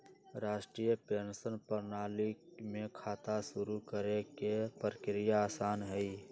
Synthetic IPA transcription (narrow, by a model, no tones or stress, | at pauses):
ɾaːʃʈɾijəpeːnsənpəɾnaːlimẽkʰaːt̪asʊɾukəɾekepɾəkɾijaːsaːnɦɛi